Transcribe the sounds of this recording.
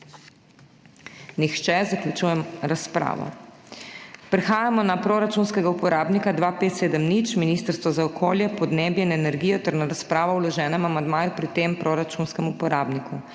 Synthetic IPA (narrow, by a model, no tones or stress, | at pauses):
nixt͡ʃɛzakljut͡ʃuːjɛmɾaspɾa̰ːʋɔ̰ | pɾɛxaːjamɔnapɾoɾat͡ʃunskɛɡaupɔɾaːbnikad̪ʋaːpeːt̪seːd̪əmnit͡ʃminist̪əɾst̪ʋɔzaɔkʰoːljɛpɔd̪neːbjɛinɛnɛɾɡijɔt̪ɛɾnaɾaspɾaːʋɔwlɔʒɛːnɛmamand̪maːjupɾit̪empɾoɾat͡ʃunskɛmupɔɾaːbniku